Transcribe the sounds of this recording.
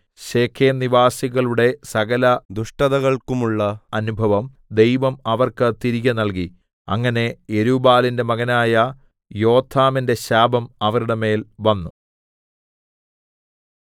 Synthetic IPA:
ɕeːkʰeːniʋaːsiɣɐɭuɽe̞sɐɣɐlɐd̪uʂʈɐðɐɣɐɭkumuɭːɐɐnubʱɐʋɐm | d̪e̞jʋɐmɐʋɐrkɨt̪iɾiɣʲɐnɐlki | ɐ̰ŋːɐne̞eɾubaːlinde̞mɐɣɐnaːjɐ | jo̞ːt̪ʰːaːminde̞ɕaːbɐmɐʋɐɾuɽeme̞ːlʋɐnːu

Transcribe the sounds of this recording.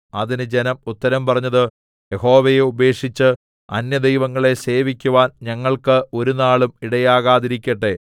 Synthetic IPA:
ɐðinɨd͡ʑe̞nɐmut̪ːɐɾɐmpɐrɐɲːɐðɨ | jeho̞ːʋejeube̞ːkʂit͡ɕːɨ | ɐ̰njɐd̪ejʋɐŋːɐɭe̞se̞ːʋikʲːuʋaːnɲɐŋːɐɭkɨʔo̞ɾunaːɭumiɽɐjaːɣaːðiɾikʲːɐʈːe̞

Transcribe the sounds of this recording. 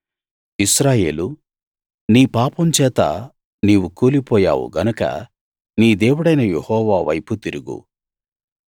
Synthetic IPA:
isɾaːje̞ːlu | niːpaːpɐmt͡ʃɛːt̪ɐ̰ | niːʋukoːlipɔːja̰ːʋṵɡɐnɐkɐ̰ | niːd̪eːwuɽɐjnɐjehɔːʋaːʋɐ̰jput̪iɾuɡṵ

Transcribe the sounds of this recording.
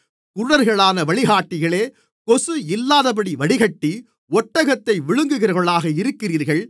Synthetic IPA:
kʊɾʊɽɐɾɣɐɭaːnɐʋɐɭɪɣaːʈːɪɣɐɭeː | kɔsɯɪlːaːðɐp̬ɐɽiʋɐɽɪɣɐʈːi | ɔʈːɐɣɐt̪ːɐɪʋɪɻɯŋɡɯɣɪɾɐɣɐɭaːɣɐɪɾɯkːɪriːɾɣɐɭ

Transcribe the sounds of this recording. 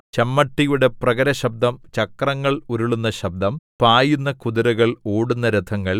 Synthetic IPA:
t͡ɕɐmːɐʈːijuɽe̞prɐɣɐɾɐɕɐb̚d̪ɐmt͡ɕɐkrɐŋːɐɭuɾuɭunːɐɕɐb̚d̪ɐmpaːjunːɐkuðuɾɐɣɐɭoːɽunːɐɾɨt̪ʰɐŋːɐɭ

